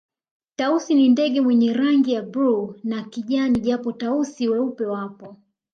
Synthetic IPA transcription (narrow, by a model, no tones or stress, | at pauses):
tausinindɛɠɛmwɛɲɛɾaŋɡijabɾunakiʄaniʄapɔtausiwɛupɛwapɔ